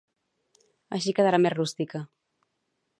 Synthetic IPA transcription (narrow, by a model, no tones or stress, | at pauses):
əʃ̬ikəðəɾamerrust̪ikə